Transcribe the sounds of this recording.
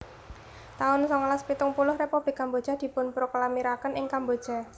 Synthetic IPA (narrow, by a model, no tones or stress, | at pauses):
t̪aʊnsɔŋlaspit̪ʊŋpulʊhrepub̥lɪkːambod̥ʒ̥a̤d̪̥i̤pʊnpɾoklamiɾakənɪŋkambod̥ʒ̥a̤